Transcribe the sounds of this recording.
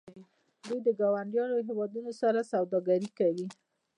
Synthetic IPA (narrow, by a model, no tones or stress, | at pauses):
d̪ujd̪əɡawaɳɖjɑnoɦewɑd̪unosaɾasawd̪ɑɡaɾikawi